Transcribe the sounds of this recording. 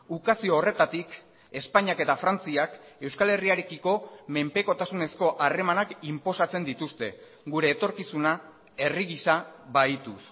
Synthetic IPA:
ukasio̞ːre̞t̪at̪ik | e̞spaɲiake̞t̪afɾant͡siake̞wskale̞riaɾe̞kiko̞me̞mpe̞ko̞t̪asune̞sko̞ʔare̞manakimpo̞sat͡se̞nd̪it̪ust̪e̞ | ɣuɾe̞ːt̪o̞ɾkisuna | e̞riɣisaβajt̪us

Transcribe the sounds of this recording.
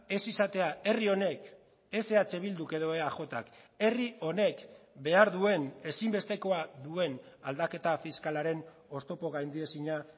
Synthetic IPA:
e̞sisat̪e̞ae̞rio̞ne̞k | e̞se̞at͡se̞β̞ild̪uke̞ðo̞eaʝo̞t̪a̰ke̞rio̞ne̞kbe̞aɾðue̞ne̞simbe̞st̪e̞ko̞aðue̞nald̪ake̞t̪afiskalaɾe̞n | o̞st̪o̞po̞ɣajnd̪ie̞siɲa

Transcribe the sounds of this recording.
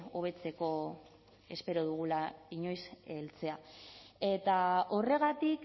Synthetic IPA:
o̞β̞e̞t͡se̞ko̞ | e̞spe̞ɾoð̞uɣ̞ulaiɲo̞jselt͡se̞aet̪ao̞re̞ɣat̪ik

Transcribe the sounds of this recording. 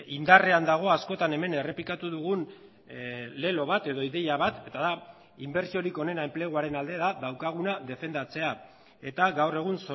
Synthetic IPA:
ind̪are̞and̪aɣ̞o̞asko̞t̪ane̞me̞ne̞re̞plikat̪uðuɣun | le̞lo̞βat̪e̞ðo̞iðe̞jaβat̪e̞t̪aða | imbe̞ɾsio̞ɾiko̞ne̞naemple̞ɣ̞uaɾe̞nald̪e̞ðaðawkaɣ̞unaðe̞fe̞nd̪at͡se̞a | e̞t̪aɣawre̞ɣ̞unso

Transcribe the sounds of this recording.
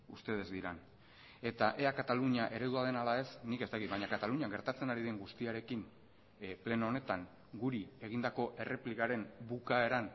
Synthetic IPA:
ust̪e̞ð̞e̞zd̪iɾan | e̞t̪aʔe̞akat̪aluɲaʔe̞ɾe̞ðuað̞e̞nalae̞snike̞st̪akit̪βajɲakat̪aluɲiaɡe̞ɾt̪at͡se̞naɾiðe̞ŋɡust̪iaɾe̞kin | ple̞noone̞t̪aŋ | ɡuɾie̞ɣ̞ind̪ako̞ʔe̞re̞plikaɾe̞mbukae̞ɾan

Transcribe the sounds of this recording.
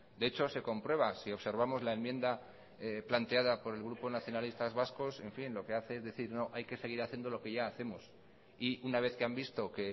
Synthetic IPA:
d̪eet͡ʃo̞se̞ko̞mpɾwe̞β̞asio̞βse̞ɾβ̞amo̞zlaemjend̪a | eplant̪e̞aðapo̞ɾe̞lɣɾupo̞naθjo̞nalist̪azβasko̞se̞ɱfinlo̞ke̞aθe̞ezðe̞θiɾno̞ʔajke̞seɣ̞iɾaθje̞nd̪o̞lo̞ke̞ʝaːθe̞mo̞s | iunaβ̞e̞θke̞ambist̪o̞ke̞

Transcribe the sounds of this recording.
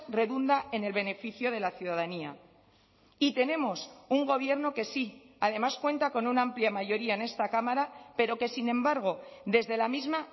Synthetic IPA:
re̞ðund̪aʔe̞ne̞lβe̞ne̞fiθjo̞ðe̞laθjuðaðania̰ | it̪e̞ne̞mo̞suŋɡo̞β̞je̞ɾnoke̞si | að̞e̞maskwe̞nt̪ako̞nunaampljamaʝo̞ɾiaene̞st̪akamaɾape̞ɾo̞ke̞sinẽ̞mbaɾɣ̞o̞ðe̞zðe̞lamizma

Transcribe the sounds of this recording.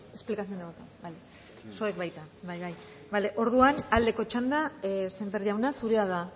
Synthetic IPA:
e̞splikaθiond̪eβot̪enbaj | so̞ekβajt̪abajβaj | bale̞ʔo̞ɾðuanald̪e̞ko̞t͡ʃand̪ase̞mbe̞ɾðiawnasuɾeaða

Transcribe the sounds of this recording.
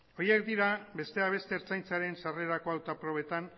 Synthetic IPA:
ojekd̪iɾabe̞st̪e̞aβ̞e̞st̪e̞ːɾt͡sajnt͡saɾe̞nsare̞ɾako̞awt̪apɾo̞β̞e̞t̪an

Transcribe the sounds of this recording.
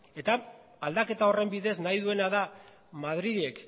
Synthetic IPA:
e̞t̪a | ald̪ake̞t̪ao̞re̞mbiðe̞znajðue̞naða | mað̞ɾiðiek

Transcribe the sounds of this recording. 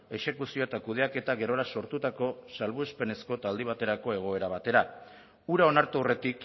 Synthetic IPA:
e̞ʃe̞kusio̞et̪akuð̞e̞ake̞t̪aɣe̞ɾo̞ɾaso̞ɾt̪ut̪ako̞salβuespe̞ne̞sko̞et̪aːld̪iβ̞at̪e̞ɾako̞e̞ɣ̞o̞e̞ɾaβ̞at̪e̞ɾa | uɾao̞naɾt̪uure̞t̪ik

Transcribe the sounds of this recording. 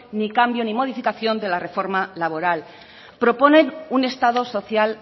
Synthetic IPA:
nikambjo̞nimo̞ð̞ifikaθjo̞nd̪elare̞fo̞ɾmalaβ̞o̞ɾal | pɾo̞po̞ne̞nune̞st̪að̞o̞so̞θjal

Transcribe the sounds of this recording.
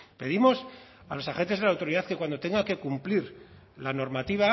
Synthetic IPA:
pe̞ðimos | alo̞saxe̞nt̪e̞zðelawt̪o̞ɾiðaθke̞kwand̪o̞t̪e̞ŋɡake̞kumpliɾ | lano̞ɾmat̪iβa

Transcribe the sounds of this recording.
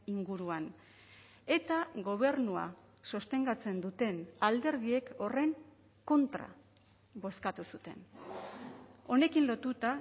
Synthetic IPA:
iŋɡuɾuan | e̞t̪aɣo̞β̞e̞ɾnua̰ | sost̪e̞ŋɡat͡se̞nd̪ut̪e̞nald̪e̞ɾð̞ie̞ko̞re̞ŋ | ko̞nt̪ɾa̰ | βo̞skat̪usut̪e̞n | o̞ne̞kinlo̞t̪ut̪a

